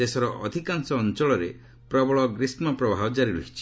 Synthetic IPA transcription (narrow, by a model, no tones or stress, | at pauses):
esɔɾɔʔɔd̪ʱikaŋsɔːnt͡ʃɔɭɔɾe | pɾɔbɔɭɔɡɾismɔpɾɔbʱabɔd͡ʒaɾiɾoɦit͡ʃʰi̥